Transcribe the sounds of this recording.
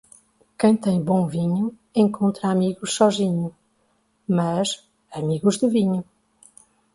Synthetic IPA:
kẽj̃t̪ẽj̃bõviɲu | ẽŋkõnt̪ɾaːmiɣuʃsɔʒiɲu | mɐz | ɐmiɣuʒd̪ɨviɲu

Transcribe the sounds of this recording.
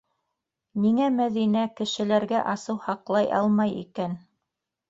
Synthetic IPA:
niŋæmæðinækɘ̆ʃɘ̆læɾɡæʔɑsɤwhɑqlˠɑjʔɑ̰lˠmɑjḭkæn

